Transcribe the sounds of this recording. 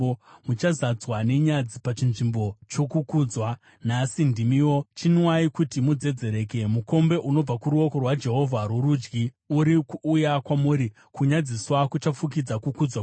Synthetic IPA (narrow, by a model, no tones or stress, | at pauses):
mut͡ʃazad͡zwane̞ɲad͡zipat͡ʃinʐimbo̞t͡ʃo̞kukuːd͡zwa | nasindimiwo̞t͡ʃinwaikutimud͡ze̞d͡ze̞ɾe̞ːke̞muko̞mbe̞ʔuno̞b͡vakuɾuo̞ko̞rwad͡ʒe̞ɦo̞vʱaɾwuɾuːd͡ʒɡi | uɾikujakwamuːɾi | kuɲad͡ziswakut͡ʃafuk̬id͡zakukud͡zwa